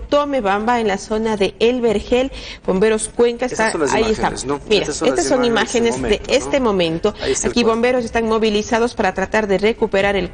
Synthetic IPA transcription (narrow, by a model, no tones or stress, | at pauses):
t̪o̞me̞βambaenlaso̞naðe̞elβeɾxelb̥o̞mbe̞ɾo̞skwe̞ŋkast̪aa̰iest̪ammiɾaest̪asːo̞nimaxenezd̪eest̪e̞mõ̞mẽ̞nt̪o̞akiβo̞mbe̞ɾo̞s̬est̪anmo̞βilisað̞ospaɾat̪ɾat̪aɾðe̞re̞kupe̞ɾaɾel